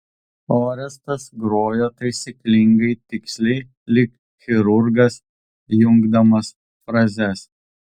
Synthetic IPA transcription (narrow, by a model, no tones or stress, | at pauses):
oːɾʲɛst̪ɐsɡɾoːjoːt̪ɐɪsʲiklʲɪŋɡɐɪt̪ʲɪksʲlʲɛ | lʲɪk | xʲɪɾʊɾɡɐs | jʊŋɡd̪ɐmɐs | fɾɐzʲɛs